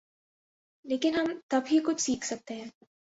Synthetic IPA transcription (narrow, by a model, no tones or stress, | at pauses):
leːkɪnɦɐmt̪ɐbɦikʊt͡ʃʰsiːkʰsɐk̚t̪eɦɛ̃ː